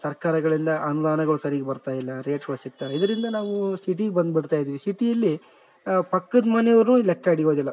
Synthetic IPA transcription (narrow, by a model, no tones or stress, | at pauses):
sɐɾkaːɾɐɡɐɭind̪ɐʔɐnud̪aːnɐɡɐɭusɐɾiɡebɐɾt̪aːjilːɐɾeːʈɡɐɭusik̚t̪aːɾid̪ɐɾind̪ɐnaːʋusiʈ̬iɡebɐnd̪biɽt̪aːjid̪iːʋisiʈijɐlːi | pɐkːɐd̪mɐnɛjɐɾulɛkːaːɽiɡoːd̪ilːɐ